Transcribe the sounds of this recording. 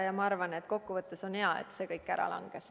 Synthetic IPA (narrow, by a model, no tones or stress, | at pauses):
jɑmɑɑrvɑne̞t̪ːˑko̞kːuvɤt̪ːˑeso̞nheɑḛt̪se̞ːkɤjkːˑæɾɑ̰lʔɑ̰ŋɡ̥es